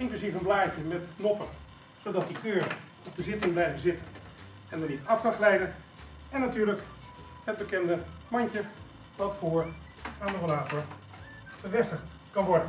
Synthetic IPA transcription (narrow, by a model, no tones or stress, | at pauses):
ɪŋklyszifənblaːt͡ʃjəmɛtknɔpən | sodɔt̚diʔøːɹ | ɔp̚dəzɪtəŋblɛjvəzɪtən | ɛndənitaftɑslɛjdən | ɛnːatyːlək | həd̚bəkɛndəmɔɲcə | dɔtfoːəɹ | aːndərolaːtɔɹ | b̥əʋɛstəxt | kɔnʋɔɹdən